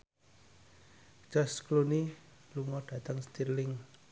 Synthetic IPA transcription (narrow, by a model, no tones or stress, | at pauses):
d͡ʒ̥ɔskluniluŋɔɖ̥ä̤t̪əŋst̪irlɪŋ